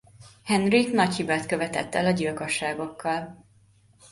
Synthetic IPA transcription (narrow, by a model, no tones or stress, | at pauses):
hɛnriknɒchibaːt̪kø̞vɛt̪ɛ̰t̪ːɛlɒɟilko̞ʃːaːɡo̞kːɒl